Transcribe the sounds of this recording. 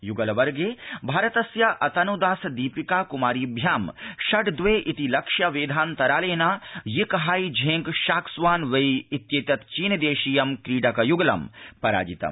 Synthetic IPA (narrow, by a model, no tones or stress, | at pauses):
juɡɐlʋɐɾɡeːbʱaːɾɐt̪ɐsjɐʔɐt̪ɐnud̪aːsd̪iːpikaːkumaːɾiːbʱjaːmʃɐʈd̪ʋeːʔit̪ilɐkʃjɐʋeːd̪ʱaːnt̪ɐɾaːleːnaːjikɦaːjd͡ʒʱẽːŋɡʃaːksʋaːnʋɐjit̪jeːt̪jɐt̪t͡ʃiːnd̪eːʃijɐmkɾiːɖɐkɐjuɡɐlɐ̰mpɐɾa̰ːd͡ʒit̪ɐ̰m